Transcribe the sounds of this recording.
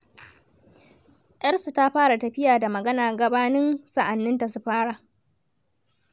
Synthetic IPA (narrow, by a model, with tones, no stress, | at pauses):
ʔj̰ɐ˦rsu˨ta˦ɸaː˦ɽa˨tɐ˨ɸɪ˦jaː˨da˨mɐ˨ɡɐ˦naː˨ɡɐ˨baː˦nɪ˦nsa˦ʔa˨nːɪ˦nta˨s̬u˦ɸaː˦ɽa˨